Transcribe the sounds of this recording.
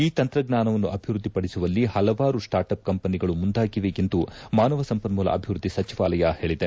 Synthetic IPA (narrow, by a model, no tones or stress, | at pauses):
iːt̪ɐnt̪ɾɐɡnaːnɐʋɐnːuʔɐbʱiʋɾud̪ːipɐɽisuʋɐlːihɐlɐʋaːɾusʈaːɾʈɐp̚kɐmpɐniɡɐɭumund̪aːɡiʋe̞ːkend̪umaːnɐʋɐsɐmpɐnmuːlɐ̰ʔɐbʱiʋɾud̪ːisɐt͡ʃiʋaːlɐjahe̞ːɭid̪e